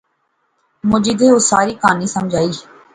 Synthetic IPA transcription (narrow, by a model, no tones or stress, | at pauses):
mʊd͡ʒiːd̪eːosaːɾiːkaːniːsəmd͡ʒʱaːiː